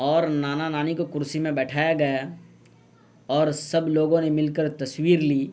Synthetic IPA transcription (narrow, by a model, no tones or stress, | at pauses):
ɔːɾnaːnanaːnikokʊɾsimẽbɛːʈʰaːjaɡɐja | ɔːɾsɐbloːɡõnemɪlkəɾt̪ɐswiːɾliː